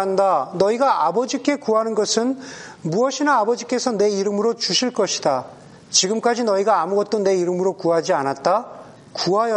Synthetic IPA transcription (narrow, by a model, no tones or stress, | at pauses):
andanʌiɡaʔabʌd͡ʑik͈e̞kuɦanɯnɡʌsʰɯnmuʌɕʰinaːbʌd͡ʑik͈e̞sʰʌne̞iɾɯmɯɾot͡ɕuɕʰiɭk͈ʌɕʰi̥da | t͡ɕiɡɯmk͈ad͡ʑinʌiɡaːmuɡʌt̚t͈one̞iɾɯmɯɾokuɦad͡ʑianat̚t͈a | kuɦajʌ